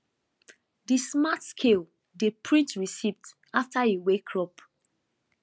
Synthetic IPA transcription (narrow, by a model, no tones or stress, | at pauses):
dismatskʰel | depʰɹĩtɹisivt | aftaiwekʰɹɔp